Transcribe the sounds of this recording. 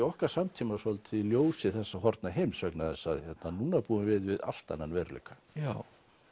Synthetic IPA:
ɔhkaɾ̥samt̪ʰimasɔlt̪ʰɪljoːwsɪθɛsːaɦɔɾt̪naɦejmsvœknaðɛsːaðçɛt̪nanuːnapuːɪmvɪðvɪða̰l̥t̪a̰nːanvɛɾlḛkḁ | a

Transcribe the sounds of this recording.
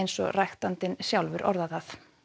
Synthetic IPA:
jnsɔ̰ɣrajxt̪ant̪ɪnsjawlvʏɾʔɔ̰ɾðaθaθ

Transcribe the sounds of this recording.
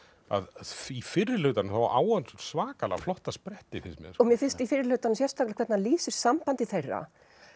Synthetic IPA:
a̰ðfifɪɾːɪlʏt̪anʏmθawʔa̰ːwanssvaːkala̰flɔht̪aspɾɛht̪ɪfɪsmjɛ̰ɾɔɣmjɛfɪnst̪ifɪɾːɪlʏt̪anʏmsjɛst̪aklɪ̥kʰvɛt̪naliːsʏɾ̥sampant̪ɪθejrːa̰

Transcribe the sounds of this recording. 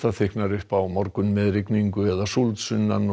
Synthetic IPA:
t̪aθɪhknaɾʏhpawmɔɾkʏnmɛðrɪkniŋkʏɛðasult̪sʏnːan

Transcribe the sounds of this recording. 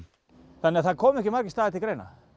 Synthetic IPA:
θanːɪaθaðkʰɔːmɛhkcɪmaɾcɪst̪aːðɪt̪ʰɪkɾeːjna̰

